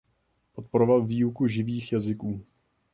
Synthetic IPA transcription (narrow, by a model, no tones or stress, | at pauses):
po̞t̪̚poɾovalviːukuʒɪviːxjazɪkuː